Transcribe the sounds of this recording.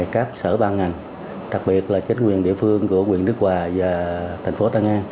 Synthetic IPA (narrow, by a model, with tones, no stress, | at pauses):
kaː˦˥p̚səː˧˩ɓaː˧ŋa˨˩jŋ | ɗa˨˩k̚ɓi˨˩ət̚laː˨˩t͡ɕï˨˦ŋ̟kwi˨˩nɗḭ˧˨əfɨ˧əŋku˧˩əkwi˨˩ənːɨ˦˥ək̚kwaː˨˩vaː˨˩t̪ʰa˨˩ŋ̟fo˨˦t̪aː˧ŋaː˧